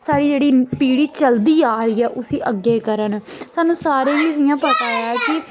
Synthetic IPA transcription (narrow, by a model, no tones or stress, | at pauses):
saːɽiːd͡ʒeːɽiːpiːɽiːt͡ʃəld̪iːaːɾiːɛːʔʊsiːʔəɡeːkəɾənsaːnũːsaːɾẽːizɪjãːpət̪aːjaːɛːkɪ